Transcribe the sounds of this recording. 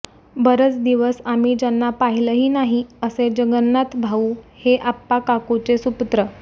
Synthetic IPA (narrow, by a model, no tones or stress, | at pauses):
bəɾət͡sd̪iʋəsamiːd͡ʑanːapaɦiləɦiːnaɦiəsed͡ʑəɡənːat̪bʱauːheʔapːakakut͡sesupt̪ɾə